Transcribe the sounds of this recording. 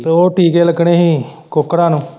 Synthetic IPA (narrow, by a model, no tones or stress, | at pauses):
t̪eoːʈʰiːkeːləɡɽeːɦĩːkokːɽãːnũː